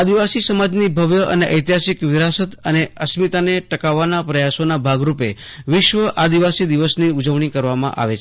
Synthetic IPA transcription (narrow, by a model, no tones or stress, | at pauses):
ad̪iʋasisəmad͡ʒnibʱəʋjəʔə̰neʔəjt̪jasikʋɪɾasət̪əneəsmit̪aneʈəkaʋːanapɾəjasonabʱaɡɾupe | ʋɪʃʋəʔad̪iʋasid̪iʋəsniud͡ʒəʋɳ̃ikəɾʋamã̰ʔa̰ʋet͡ʃʰ